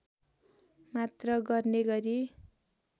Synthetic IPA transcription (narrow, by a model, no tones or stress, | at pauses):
mat̪rʌɡʌrneɡʌɾi